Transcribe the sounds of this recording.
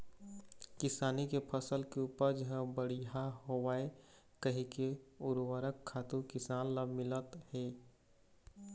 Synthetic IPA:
kɪsaːnikepʰəsəlkeuːpəɾd͡ʒəɦə̃bəɽiɦaɦowaːe | kəɦĩkeʊɾwəɾəkʰːaːt̪ukɪsaːnlamɪlət̪heː

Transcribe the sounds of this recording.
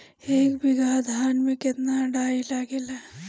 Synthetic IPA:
eːkbʱɪɡaːd̪ʱaːnmẽkɪt̪naɖaːilaɡelaː

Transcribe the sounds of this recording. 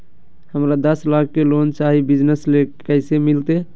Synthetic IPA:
həmɾad̪əslakːelont͡ʃaɦibid͡ʒnəslekəɪsemilt̪e

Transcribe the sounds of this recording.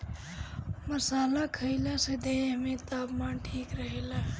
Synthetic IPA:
məsaːlakʰəɪlased̪eːɦmẽt̪aːpmaːnʈʰiːkɾəɦela

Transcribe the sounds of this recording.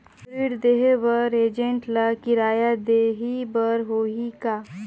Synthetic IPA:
iːɾd̪eːɦebəɾeːd͡ʒə̃ɳʈlakɪɾaːjad̪eɦibəɾɦoːɦika

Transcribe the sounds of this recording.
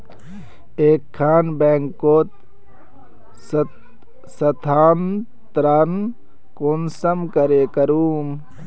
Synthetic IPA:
eːkʰːaːnbeːŋkoːt̪ | sɐt̪ʰaːn | t̪ɾan | konsɐmkɐɾeːkɐɾuːm

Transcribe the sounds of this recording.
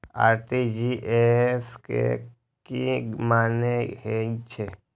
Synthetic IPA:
a̰ːɾʈid͡ʒiʔeskḛ | kimaːnehet͡ʃʰe

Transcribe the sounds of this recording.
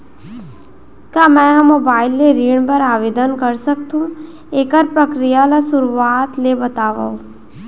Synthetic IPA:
kjaːmɛ̃ːɦmoːbaːɪlːeɾiːɳ̃pɐɾaːʋeːd̪ənkɐɾsɐk̚t̪ɦũ | eːkəɾpɾəkɾijalasʊɾuaːt̪lebɐt̪aːʋa̰o

